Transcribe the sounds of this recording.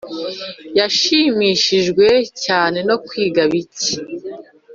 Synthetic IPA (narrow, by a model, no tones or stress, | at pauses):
jaʃimiːʃiʒɡwe̞caːne̞no̞kwiːɡaβice̥